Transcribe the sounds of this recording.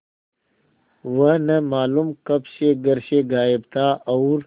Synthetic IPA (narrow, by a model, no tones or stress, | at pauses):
ʋɐnɐmaːlumkɐbʃeɡɐɾʃeɡaːebt̪aːɐwɾ